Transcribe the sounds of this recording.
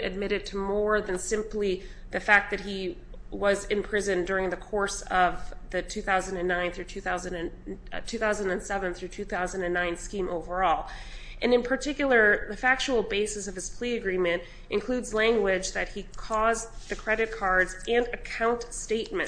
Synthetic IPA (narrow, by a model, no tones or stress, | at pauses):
ɨ̰d̚mɪɾɨd̚tʰəmɔɹðɨ̃nsɪ̃mpli | ðɨfæk̚ðɨt̚hi | wʌzɨ̃mpʰɹ̥ɪzɨ̃ndʊɹɪ̃ŋðɨkʰɔɹsʌvðɨtʰʉθaʊzɨ̃n̩dɨ̃nːãɪ̃nθɹʉtʰʉθaʊzɨ̃nɨ̃n | tʰʉθaʊzə̃n̩dɨ̃nsɛvɨ̃nθɹʉtʰʉθaʊzɨ̃n̩dɨ̃nːãɪ̃nskĩmʔoʊvə˞ɔlˠ | ʔɨ̃nɨ̃npʰə˞tʰɪkjl̩ˠə˞ðɨfæk̚t͡ʃul̩ˠbeɪsɨsʌv̥ɨz̥pʰl̥iɨɡɹĩmɨ̃nt | ʔɨ̃nkʰl̥ʉdzlæ̃ŋɡwɪd͡ʒðɨt̚hikʰɔzðɨkʰɹ̥ɛɾɨt̚kʰɑɹdzɨ̃nɨkʰãʊ̃ntsteɪt̚mɨ̃